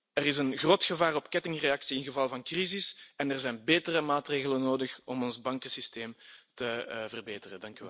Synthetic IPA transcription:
əɾɪsənɣroːtxəvaːrɔpkɛtɪŋreɑksiɪnɣəvɑlˠvɑnkrizɪsɛnərzɛjnbeːtərəmaːtreːɣələnoːdəxɔmɔnzbɑŋkəsisteːmtəvərbeːtərədɑŋkyʋɛ̰lˠ

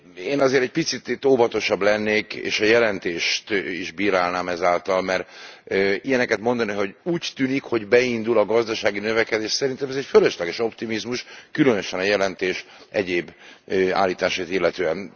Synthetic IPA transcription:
eːnɒzeːɾɛc̚pit̪sit̪t̪oːvɒt̪o̞ʃɒblɛnːeːkḛːʃɒjɛlɛnt̪eːʃt̪iʒbiːɾaːlnaːmɛzaːlt̪ɒlmɛr | ijɛnɛkɛt̪mo̞nd̪ɒniɦo̞ɟuːct̪yːnikho̞ɟbɛind̪ulɒɡɒzd̪ɒʃaːɡinøvɛkɛd̪eːʃsɛɾint̪ɛmɛzɛcføløʃlɛɡɛʃo̞pt̪imizmuʃkylønøʃɛnɒjɛlɛnt̪eːʃ | ʔɛɟeːba̰ːlːiːt̪aːʃaːt̪ilːɛt̪øːɛn

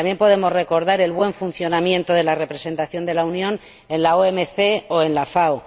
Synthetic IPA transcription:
ambje̞mpo̞ð̞e̞mo̞zre̞ko̞ɾð̞aɾe̞lβwe̞ɱfun̟θjo̞namjẽ̞nt̪oðe̞lare̞pɾese̞nt̪aθjo̞nd̪e̞launjõ̞n | e̞nlaoemeθeo̞e̞nlafaw

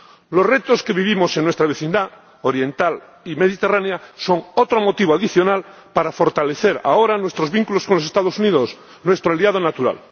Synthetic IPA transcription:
lozret̪oske̞βiβimo̞seŋːwet̪ɾaβeθind̪a | oɾje̞nt̪al | ime̞ðit̪eraneaso̞ŋot̪ɾomot̪iβoaðiθjonal | paɾafo̞ɾt̪ale̞θeɾa̰oɾanwe̞st̪ɾo̞zβiŋkuloskonlos̬est̪aðosuniðos | nwe̞st̪ɾoaliað̞onat̪uɾa̰l

